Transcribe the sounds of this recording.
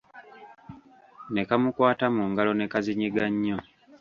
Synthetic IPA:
ne̞kamukwaːtamuːŋɡalo̞ne̞kaziɲiɡaɲːo

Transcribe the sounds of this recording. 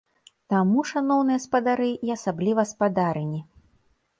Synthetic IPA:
t̪amuʂanɔwnɨjɐspɐd̪aɾɨʔiɐsablʲivɐspad̪aɾɨnʲi

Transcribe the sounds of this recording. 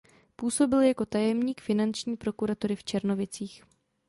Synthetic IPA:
puːso̞bɪljako̞t̪ajɛmɲiːkfɪnant͡ʃɲiːpɾo̞kuɾat̪oɾɪft͡ʃɛɾno̞vɪt͡siːx

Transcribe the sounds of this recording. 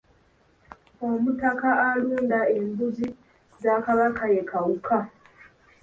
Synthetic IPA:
omutakaaluːndaembuzi | zakaβakajekawukʰa

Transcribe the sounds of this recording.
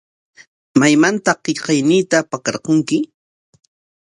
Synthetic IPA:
majmant̪ɑqːeʎqɑjniːt̪apakɑɾqoŋkɪ

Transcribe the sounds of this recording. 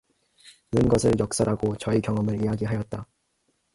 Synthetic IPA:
ɯnɡʌsʰɯɭjʌk̚s͈aɾaɡot͡ɕʌikjʌŋʌmɯɾijaɡiɦajʌt̚t͈a

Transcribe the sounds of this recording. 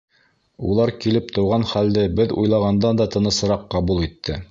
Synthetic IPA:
ṵlˠɑɾkilɘp̚t̪ɤ̆wʁɑnχæld̪ɘbɘðṵjlˠɑʁɑnd̪ɑnd̪ɑt̪ɤ̆nɤ̆sɤ̆ɾɑqːɑβulˠit̪ʰːɘ

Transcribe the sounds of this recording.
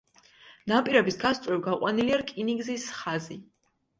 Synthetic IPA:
napʼiɾɛbisɡast̪ʼɾɛbɡaqʼwaniliaɾkʼiniɡzisχazi

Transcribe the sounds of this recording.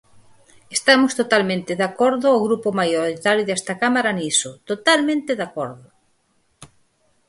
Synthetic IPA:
est̪amʊst̪ot̪almẽnt̪eðakɔɾðʊawɣɾupomajoɾit̪aɾjoðɛst̪akamaɾanisot̪ot̪almẽnt̪ɪðakɔɾðʊ

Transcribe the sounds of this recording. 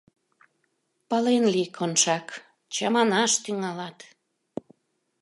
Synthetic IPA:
pɑlenlikʰonʃɑk | t͡ɕɑmɑnɑʃt̪yŋɑlɑt̪

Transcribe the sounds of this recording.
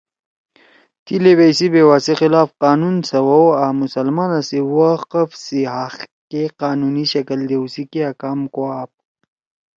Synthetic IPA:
t̪ileβejsibewaːsixilaːfqaːnunsɐwɐwamusɐlmaːnasewaqəfsiɦaxkeqaːnuniɕɐkəld̪ewsikiakaːmkoaːp̚

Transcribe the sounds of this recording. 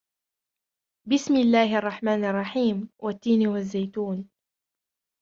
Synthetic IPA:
bɪsmɪlːaːhɪʔɑrˤːɑħmaːnɑrˤːɑħiːmwʔat̪ːiːnwazːajt̪uːn

